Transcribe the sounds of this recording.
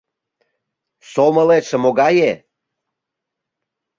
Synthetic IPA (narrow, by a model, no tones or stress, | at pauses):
somə̆leʃə̆moɣɑje